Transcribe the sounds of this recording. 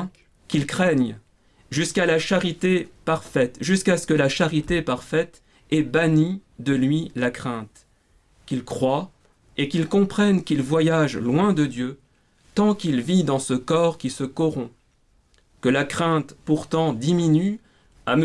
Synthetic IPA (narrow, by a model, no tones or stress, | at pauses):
kʲilkχɛɲ | ʒyskalaʃaʁit̪epaʁfɛt̪ʒyskasə̥kəlaʃaʁit̪epaʁfɛt̪ | ɛbanid̪əlɥilakχɛ̃t̪ | kʲilkχwa | ekilkɔ̃pχɛnkʲilvwajaʒlwɛ̃d̪əd̪jø | t̪ɑ̃kilvid̪ɑ̃səkɔʁkʲisəkɔʁɔ̃ | kəlakχɛ̃t̪puʁt̪ɑ̃d̪iminy | am